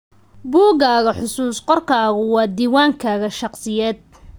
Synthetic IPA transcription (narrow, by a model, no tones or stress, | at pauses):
buːɣaːɣɐħʊsuːsqɔrkʰaːɣʊwɑːd̪iːwaːŋkʰaːɣɐʃɑqsɪjɛːd̪̚